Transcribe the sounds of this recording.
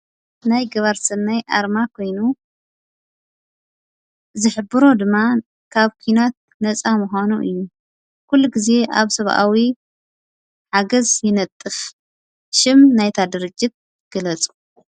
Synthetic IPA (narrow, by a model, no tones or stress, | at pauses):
najɡɐβaɾsɨnːajʔaɾmakʰo̞jnu | zɨħɨbɨɾo̞d̪ɨmːa | kʰaβkʰuinat̪̚ | nɐt͡sʼamuxanuʔɨjːu | kʰulːuɡize̞ʔa̰βsɐβʔa̰wi | ħaɡɐzjɪnɐt̪ʼːɨf | ʃɪmnajt̪ʰad̪ɨɾɨd͡ʒːɪt̪̚ | ɡ̥ɐlɐt͡sʼu̥